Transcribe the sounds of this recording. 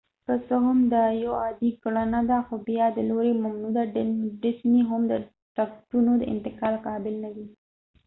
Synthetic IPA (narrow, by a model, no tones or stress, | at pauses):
kəsəɦʊmd̪əjoɑd̪iɡɽanad̪axobjɑd̪əloɾemamnud̪aɖɖɪsmiɦʊmd̪ə | ʈakʈunod̪əɪ̰nt̪ɪqɑlqɑbɪlnad̪i